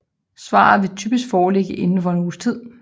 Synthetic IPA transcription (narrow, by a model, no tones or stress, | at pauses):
sʋɑ̰̈ːð̩ˠʋe̝t͡sʰyːb̥isɡ̥fɒːle̝ɡ̥əʔe̝nn̩fɒ̽e̝nuːst͡sʰið̰ˠ